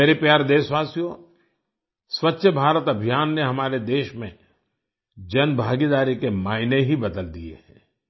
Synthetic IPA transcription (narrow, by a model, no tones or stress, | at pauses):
meːɾepjaːɾd̪eːsʋaːsijõ | swɐtːʃʰəbʱaːɾət̪ɐbʱijaːnːeɦɐmaːɾed̪eːʃmḛ̃ | d͡ʒɐnbʱaːɡid̪aːɾikemaːɪneɦibɐd̪əld̪ijḛɦɛ̰̃ː